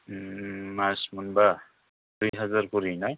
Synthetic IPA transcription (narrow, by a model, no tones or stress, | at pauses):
masmunba | d̥ujɦazaɾkuɾinaj